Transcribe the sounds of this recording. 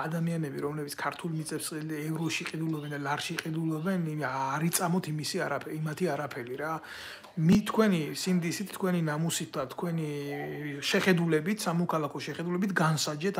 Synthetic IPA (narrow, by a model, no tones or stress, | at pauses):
ad̪amianɛbiɾɔmlɛbit̪sʰkʰaɾt̪ʰulˠmit̪sʼɛpsɛvɾɔʃiqʼid̪ulɔbɛnd̪alaɾʃiqʼid̪ulˠɔbɛnaːɾit̪sʼamɔt̪ʰimisiaɾapʰimat̪ʰiaɾapʰɛliɾa | mit̪ʰkʰwɛnisimd̪isit̪ʰt̪ːkʰwɛninamusit̪̚ʰd̪at̪ʰkʰwɛni | ʃɛχɛd̪ulɛbit̪ʰsamɔkʰalˠakʰɔʃɛχɛd̪ulɛbit̪ʰɡansad͡ʒɛt̪ʰ